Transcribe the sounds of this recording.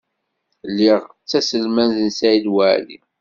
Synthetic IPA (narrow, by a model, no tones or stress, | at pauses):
lːiʁ | t͡sːæsəlmænzənsæid̪wæʕlḭ